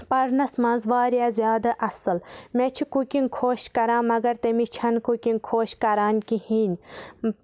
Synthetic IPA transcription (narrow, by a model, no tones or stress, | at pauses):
pɐɾnɐsmɐ̃nzʋaːɾjaːzʲjaːd̪ɐʔɐsɨlmẽt͡ʃʰikukinʲkʰoːʃkɐɾãːmɐɡɐɾt̪ɐmit͡ʃʰɐnkukʲinkʰoːʃkɐɾaːnʲkihiːnʲ